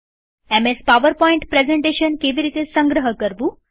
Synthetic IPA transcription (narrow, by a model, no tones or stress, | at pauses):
ɛmespaʋəɾpɔiɳʈpɾezẽɳʈeɕənkeʋiɾit̪esəŋɡɾəɦəkəɾbũ